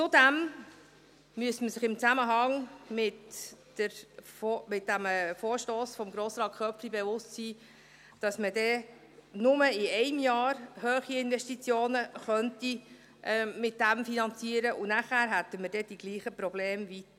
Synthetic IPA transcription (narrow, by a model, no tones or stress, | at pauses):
t͡sod̪æm | myəstməsɪχɪmt͡sæməɦɑŋmɪt | əɾfmɪt̚d̥æmɛfoːɾʃtoːsfɔmɡɾoːsɾɑːtkχœpflibɛvʊstsiː | d̥ɑsmədɛ | nʊməɪɛɪmjɑːɾhøːχiɪnvɛʃtit͡sjoːnəχœnti | ʔɛmɪt̚d̥æmfinɑnt͡siəɾəʔʊnæχæːɾɦætːəməɾd̥ɛd̥iɡ̥liːχəpɾɔbleːmvit